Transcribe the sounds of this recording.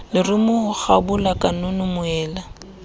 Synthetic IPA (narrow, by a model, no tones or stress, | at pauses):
lɪrʊmʊhʊk͡xabʊlakʼanʊnʊmʊɛːla